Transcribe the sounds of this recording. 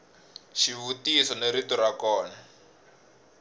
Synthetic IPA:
ʃivutisɔneɾitɔrakɔːna

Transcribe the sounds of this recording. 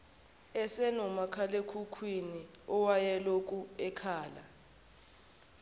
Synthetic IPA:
ɛsɛnɔmakʰalekʰukʰwiniɔwajɛlok̬ʼuɛkʰaːla

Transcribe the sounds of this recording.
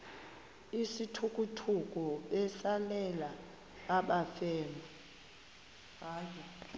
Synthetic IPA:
isitʰukʼutʰuk̬ʼɔɓɛsalɛlaː | ɓafɛːma | ɦaːjɛ

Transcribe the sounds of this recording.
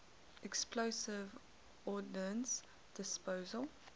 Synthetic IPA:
ɛksploʊsɪv | ɔdə̃ns | d̥ɪspoːzəlˠ

